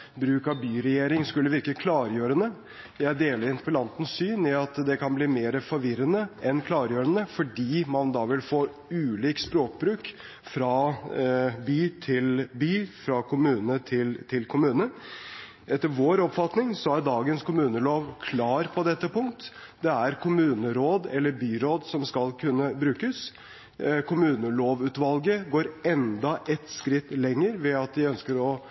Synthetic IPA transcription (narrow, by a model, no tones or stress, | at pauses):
bɾʉːkɑbyːɾɛjeːɾɪŋskʉlːəʋɪɾkəkʰlɑːɾjøːɾənə | jæɪd̪eːləɾɪnpəlɑnt̪ən̩sːyːnɪɑt̪d̪ɛkʰɑnbliːmeːɾəfɔɾʋɪɾənəʔɛnkʰlɑːɾjøːɾənəfɔɖiːmɑnd̪ɑʋɪlfoː | ʉːliːkspɾoːk̚bɾʉːk | fɾɑ | byːt̪ʰɪlbyːfɾɑkʰʊmʉːnət̪ʰɪlt̪ʰɪlkʰʊmʉːnə | ɛt̪ːəɾʋoːɾɔpfɑt̪nɪŋsɔæɖ̪ɑːɡənskʰʊmʉːnəloːʋkʰlɑːɾpʰɔd̪ɛt̪ːəpʊŋkt̪ | d̪ɛæɾkʰʊmʉːnəɾoːd̪ɛlːəɾbyːɾoːd̪sɔmskɑlkʰʉnːəbɾʉːkəs | kʰʊmʉːnəloːʋʉːt̪ʋɑlɡəɡoːɾɛnd̪ɑʔɛt̪skɾɪt̪ːlɛŋːəɾʋɛɑt̪ʋ̪ɪœnskəɾɔ